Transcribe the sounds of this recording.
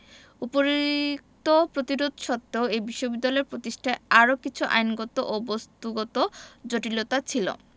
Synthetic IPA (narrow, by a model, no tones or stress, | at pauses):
upoɾkt̪opɾot̪iɾod̪ʱʃɔt̪ːeoejbiʃːobid̪ːalɔeɾpɾot̪iʃʈʰaeaɾokit͡ɕʰuʔa̰jnɡot̪oʔobost̪uɡot̪od͡ʑoʈilot̪at͡ɕʰilo̰